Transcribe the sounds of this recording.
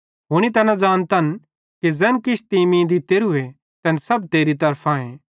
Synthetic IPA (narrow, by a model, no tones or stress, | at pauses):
ɦʊɽ̃it̪ɐnɐ̃d͡zaːñt̪ɐn | kizɛːnkɪt͡ʃʰt̪imĩːd̪it̪eːɾue | t̪ɛːnsɐbt̪eːɾit̪ɐɾpʰãːẽː